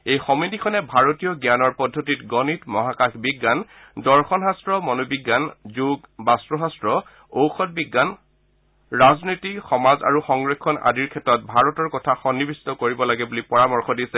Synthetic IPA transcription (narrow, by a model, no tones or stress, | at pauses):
ejxɔmidikʰɔnɛbʱaɹotijɔɡjanɔɹpɔdʱːotitɡɔnitmɔɦakaxbiɡːan | dɔɹxɔnɦastɹɔmɔnobiɡːanzuɡbastɹɔɦastɹɔ | owxʰɔt̚biɡːan | ɹaznojtixɔmaza̰ɹuxɔŋɡɹekʰːɔna̰diɹkʰɛtːɔt̚bʱaɹɔtɔɹkɔtʰaxɔnːibisi̥tɔkoɹibɔlaɡɛbulipɔɹamɔɹxʰɔdisɛ